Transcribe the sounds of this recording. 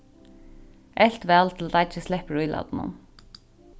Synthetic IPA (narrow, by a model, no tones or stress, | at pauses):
ʔɛlt̪ʋɛːlt̪ʰɪlat̪at͡ʃəslɛhpɹujlʔa̰d̪nʊ̰n